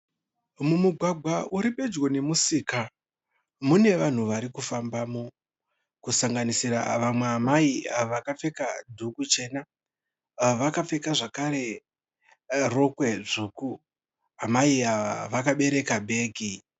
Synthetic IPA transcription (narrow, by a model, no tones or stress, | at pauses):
mumuɡʱwaɡʱwaʔuɾiɓe̞d͡ʒwo̞ne̞musiːka | mune̞ʋan̤uʋaɾikufambaːmo | kusaŋɡanisiɾa̰ʋamwe̞amaiaʋakafe̞kadʱukut͡ʃe̞na | ʋakafe̞kaʐakaɾe̞ | ro̞kwe̞ʐuːku | amaiaʋa̰ʋakaɓe̞ɾe̞kabʱe̞ːɡʱi